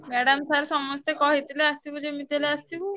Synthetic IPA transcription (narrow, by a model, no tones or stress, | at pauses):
mɛɽamsaɾsɔmɔst̪ekɔɦit̪ileast͡ʃibud͡ʑemit̪eleast͡ɕibu